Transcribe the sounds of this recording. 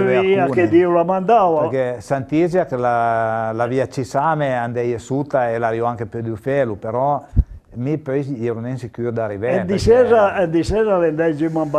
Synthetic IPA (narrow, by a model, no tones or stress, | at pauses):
aiauked̪iulamand̪aːvaeɾkɛsant̪izjakelalaviat͡ʃisameand̪ɛjesut̪aelaɾjɔaŋkepød̪ufɛlupeɾɔ | mipøjsɛɾunɛnsikyd̪aɾivɛɛd̪isɛzaed̪isɛːzalend̪ɛjd͡ʒimamba